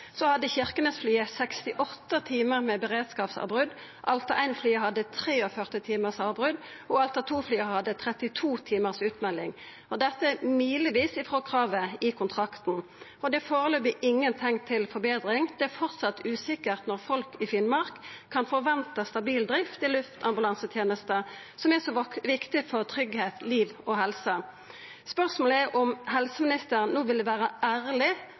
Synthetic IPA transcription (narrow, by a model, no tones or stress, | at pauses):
sɔhɑd̪ːəçɪʁkənəsflyːəsɛkst̪ɪʔɔt̪ːət̪ʰiːməʁmɛːbəʁeːd̪skɑːpsɑ̰bʁʉd̪ | ʔɑlt̪ɑʔæɪnflyːəhɑd̪ːət̪ʰʁeːɔfœʁt̪ɪt̪ʰiːməʁsɑːʋbʁʉd̪ | ɔɑlt̪ɔt̪ʰuːflyːəhɑd̪ːət̪ʰʁɛt̪ɪt̪ʰuːt̪ʰiːməʁsʉːt̪mɛlːɪ̰ŋ | ɔd̪ɛt̪ːəmyːləʋiːsɪfʁoːkʰʁɑːʋəɪkʰʊnt̪ʰʁɑkt̪n̩ | ɔd̪ɛfoːʁəløːbəʔɪŋːənt̪ʰɛŋt̪ʰɪlfɔɾbeːd̪ɾɪŋd̪ɛæfɔʁt̪sɑt̪ːʉːsɪkəʁt̪nɔʁfɔlkɪfɪːnmɑʁkʰːɑnfɔɾʋɛnt̪əst̪ɑbiːld̪ɾɪft̪ɪlʉft̪ʰɑmbʉlɑnsət̪ʰjeːnəst̪ə | sɔmɛsɔʋɪkt̪ɪfɔʁt̪ʰʁʏɡheːt̪liːʋɔhɛlsə | spœʁsmoːləɛʔɔmhɛlsəmɪnɪst̪əɾnːoːʋɪld̪ɛʋæːʁəʔæːɾlɪ